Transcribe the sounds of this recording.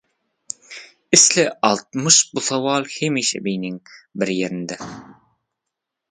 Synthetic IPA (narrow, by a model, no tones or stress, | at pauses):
ɪslɪɑlˠt̪̚mɤʃbusɑwɑːlˠhemiʃæ̰bijnɪŋbɪɾjeɾɪ̆nd̪æ